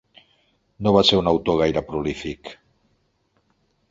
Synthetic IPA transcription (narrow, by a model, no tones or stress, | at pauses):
nõβaseɾunawt̪oɣ̞ajɾapɾolifik